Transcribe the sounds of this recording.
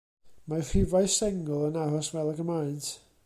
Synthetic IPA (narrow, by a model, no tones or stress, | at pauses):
marɪvajsɛŋʊlˠənaɦɔsvɛlˠaɡəmaɨntʰ